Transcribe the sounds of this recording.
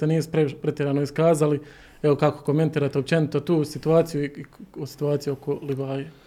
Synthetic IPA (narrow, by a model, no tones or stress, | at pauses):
eniːsu̥pɾpɾet̪jeɾanoiskaːzali | eʋokako̞̥ko̞me̞nt̪iːɾat̪eop̚t͡ʃe̞nit̪ot̪uːsit̪uaːt̪sijuiiosi̥t̪uaːt̪sijuokoliʋaːje